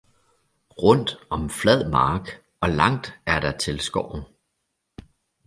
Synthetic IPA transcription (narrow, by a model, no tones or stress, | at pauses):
ʁɔn̰d̥ɒ̽mflɛð̞ˠmɑ̈ːɡ̥ | ʔɒ̽lɑ̈ŋ̰d̥æɐɾ̥ɑ̈t͡sʰe̝lsɡ̥ɒʊ̰n̩